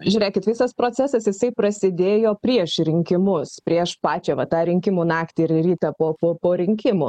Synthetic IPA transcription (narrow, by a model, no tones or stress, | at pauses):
ʒʲʊɾʲeːkʲɪt̪ʋʲɪsɐspɾoːt͡sʲæsɐsjɪsɐɪpɾɐsʲɪd̪ʲeːjoːpʲɾʲiɛʃɾʲɪŋʲkʲɪmʊspʲɾʲiɛʃpɑːt͡ʃʲɛʋɐt̪ɑːɾʲɪŋʲkʲɪmuːnɑːkt̪ʲɪɪɾɾʲiːt̪ɑpoːpoːpoːɾʲɪŋʲkʲɪmu